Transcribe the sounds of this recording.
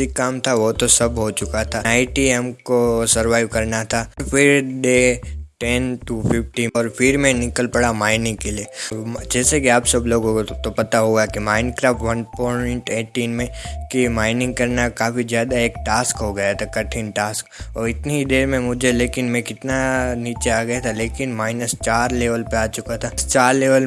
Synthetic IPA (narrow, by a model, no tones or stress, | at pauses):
ikːaːmt̪ʰaʋot̪osɐbɦot͡ʃʊkat̪ʰaaːɪʈiɛmkosɐɾʋaːɪʋkɐɾnat̪ʰafɪɾɖeːʈɛnʈupʰɪpʈiɔːɾpʰɪɾmẽnɪkəlpɐɽamaːɪnɪ̃ŋɡ̚kelieːd͡ʒɛːsekiaːpsɐbloːɡot̪opɐt̪aɦoɡjakimãːɪ̃nɖkɾaːfʈʋɐ̃npɔ̃ːɳʈeːʈiːnmẽkimaːɪnɪ̃ŋɡ̚kɐɾnakaːfizjaːd̪aeːk̚ʈaːskɦoɡɐjat̪ʰakɐʈʰinʈaːskɔːɾɪt̪neɦid̪eːɾmẽmʊd͡ʒʱeleːkɪnmɛ̃kɪt̪naniːt͡ʃeaːɡɐjat̪ʰaleːkɪnmaːɪnəst͡ʃaːɾleːʋəlpeaːt͡ʃʊkat̪ʰast͡ʃaːɾleːʋəl